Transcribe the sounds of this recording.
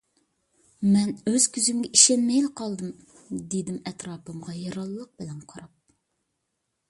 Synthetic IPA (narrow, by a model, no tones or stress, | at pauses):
mɛnøz̥kʲʰyzymɡʲɛʔiʃɛnmɛjlɨqʰɑlˠd̪ɨm | d̪ed̪ɪmɛt̪ɾɑːpɨmʁɑjɑɾɑlˠːəq̚bɪlɛnqʰɑɾɑp̚